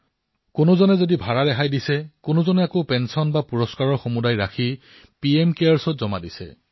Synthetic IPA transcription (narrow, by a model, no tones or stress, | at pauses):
kʊnozɔnɛzodibʱaɹadɛɦajdisɛkʊnozɔnɛakopɛnsɔnbapuɹɔskaɹɔɹxomudajɹaxʰi | piemkeaɹsɔtzɔmadisɛ̰